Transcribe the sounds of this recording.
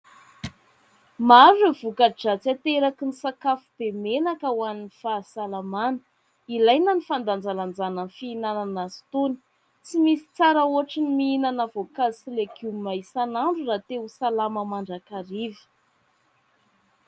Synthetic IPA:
maɾevukad͡ʒat͡sat̪eɾakinisakafub̥emenakəwaninifasalamanə̥ | ilajnənifand̪and͡zaland͡zanənfiːnananazi̥t̪oni̥ | t͡simisi̥t͡saɾaoaʈ͡ʂinimiinanavokazsileɡumajsanaɳɖ͡ʐurat̪esalaməmaɳɖ͡ʐakaɾivi̥

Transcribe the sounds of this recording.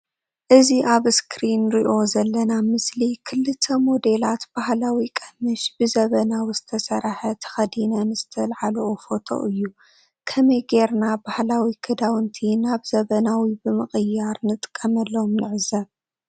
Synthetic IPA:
ʔɨziʔaβɨskʰɾinɾiʔo̞zɐlːɐnamɨslikʰɨlːɨt̪ʰːɐmo̞d̪e̞lat̪b̥ahlawikʼɐmɨʃb̥ɨzɐβɐnawizɨt̪ʰɐsɐɾħɐt̪ʰɐ̥xɐd̪inɐnz̥ɨt̪ʰɐlʕaloʔofo̞t̪ʰo̞̰ʔɨjːu | kʰɐmɐjɡe̞ɾnabahlawikʰɐd̪awɨnt̪ʰinaβzɐβɐnawibɨmɨχʼɨjːaɾnɨt̪ʼkʼːɐmɐlːomnɨʕɨzɐβ

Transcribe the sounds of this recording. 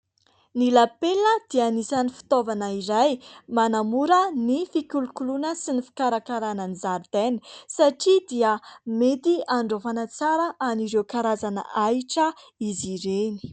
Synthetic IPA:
nilapeləd̪̥ianisanifi̥t̪ovanəiɾajmanamuɾənifikʲulukulunəsinifi̥kaɾakaɾananizaɾd̪enisaʈ͡ʂid̪iəmet̪iaɳɖ͡ʐofanat͡saɾəʔaniɾewkaɾazanə̰ʔajʈ͡ʂə | iziɾeni̥

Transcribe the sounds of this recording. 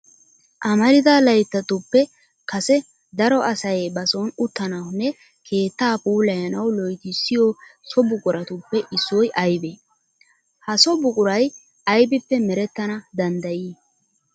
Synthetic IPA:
ʔɐmɐɾɪd̪alɐjt̪ːɐt̪ʊpːɛ | kɐsɛ | d̪ɐɾɔɐsɐjbɐsoːnʊt̪ːɐnɐwʊnːɛ | kʰe̞ːt̪ːaːpuːlɐjɐnɐwlɔjt̪ɪsːɪjɔsɔbʊkʼʊɾɐt̪ʊpːɛʔɪsːɔjʔɐjbeː | hɐsɔbʊkʼʊɾɐj | ɐjbɪpːɛmɛɾɛt̪ːɐnɐd̪ɐnd̪ɐjiː

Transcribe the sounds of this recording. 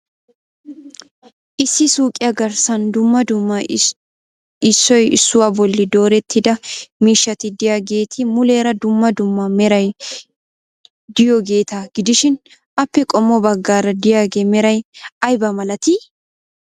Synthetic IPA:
ʔɪsːɪsuːkʼɪjɐɡɐɾsɐnd̪ʊmːɐd̪ʊmːɐ | ɪsːɔjɪ̰sːʊwaːbɔlːɪd̪o̞ːɾɛt̪ʰːɪd̪ɐmiːʃːɐt̪ɪd̪ɪjaːɡe̞ːt̪ʰɪmʊle̞ːɾɐd̪ʊmːɐd̪ʊmːɐmɛɾɐj | d̪ɪjɔɡe̞ːt̪aɡ̥ɪd̪ɪʃɪn | ʔɐpːɛkʼɔmːɔbɐɡːaːɾɐd̪ɪjaːɡeːmɛɾɐjʔɐjbɐmɐlɐt̪ɪ

